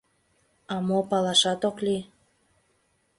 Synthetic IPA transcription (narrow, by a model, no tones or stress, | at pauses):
ɑmopɑlɑʃɑt̪okli